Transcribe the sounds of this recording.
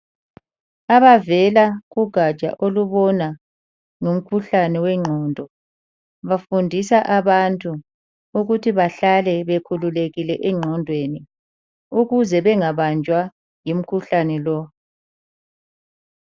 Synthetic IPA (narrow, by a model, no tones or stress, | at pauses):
aβavɛlaɣuɡ̥ʱat͡ʃʼa̰ʔoluβɔna | ŋum̩kʰuɬanɛwɛŋ͡ǃʱɔndʱɔ | βafundʱisaʔaβantʼu | uɣutʰiβaɬalɛβekʰululeɣilɛʔɛŋ͡ǁʱɔndʱweni | uɣuzɛβɛŋaβand͡ʒʱwa | jim̩kʰuɬanɛlɔ